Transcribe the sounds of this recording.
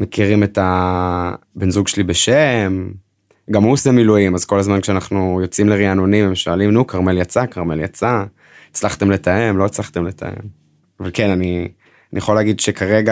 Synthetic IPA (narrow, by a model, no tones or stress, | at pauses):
mekiʁime̞ta | benzuɡʃelibeʃem | ɡamusemiluimazko̞lazmankʃeanaχnujo̞t͡simleʁianonimemʃualimnukʰaʁme̞ljat͡sakaʁme̞ljat͡sa | et͡slaχt̪e̞mle̞taemlo̞it͡slaχt̪e̞mlet̪a̰ḛm | avalke̞nani | anijeχoleːɡid̪ʃekʰaʁeɡa